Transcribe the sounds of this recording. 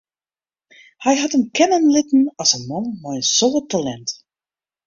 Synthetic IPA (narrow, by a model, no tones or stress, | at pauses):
hɛjɦatəmkɛnənlɪtn̩ɔsənmɔnmɔjsoːətalɛnt